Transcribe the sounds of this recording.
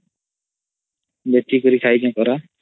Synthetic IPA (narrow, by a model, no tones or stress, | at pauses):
bet̪ikuɾikʰajd͡ʒɔ̃kɔɾa